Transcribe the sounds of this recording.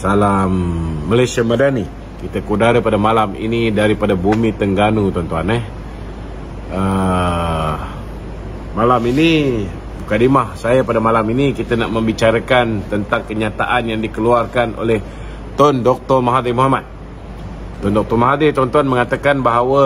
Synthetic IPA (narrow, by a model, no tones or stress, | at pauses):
salamːəlajsiamadani | kit̪akudaɾəpadamalamḭnidaɾipadabumit̪əŋɡanut̪ɔnt̪uanɛ | ə | malamini | mukadimahsajapadamalaminikit̪anaʔməmbit͡ʃaɾakant̪ənt̪aŋkəɲat̪a̰ʔanjaŋdikəluarkanʔo̰lɛh | t̪ɔndɔk̚t̪ɔrmaɦadimuɦamat̪̚ | t̪ːɔndɔk̚t̪ɔrmaɦadit̪ɔnt̪uanməŋat̪akanbaɦawə